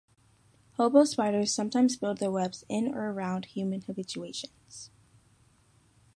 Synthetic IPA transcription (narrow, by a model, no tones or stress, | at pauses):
hoʊbɔspaɪɾə˞z̥sʌ̃mtʰãɪ̃mzbɪlˠd̪̚ðə˞wɛbz̥ɪ̃nə̰˞ə˞ãʊ̃nd̥̚hjʉmɨ̃nhɨbɪt͡ʃueɪʃnz̥